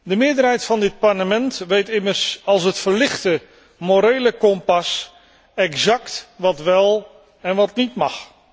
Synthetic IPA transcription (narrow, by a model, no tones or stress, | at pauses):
dəmɪːɹdəɾɦɛjtfɑndɪt̚pɑɹləmɛntʋejtɪmərsɑlˠs̬ɦətfəɹlɪχtə | moɾejləkɔmpɑs | ɛkzɑktʋɑtʋɛlˠ | ɛnʋɑtnitmɑ̰χ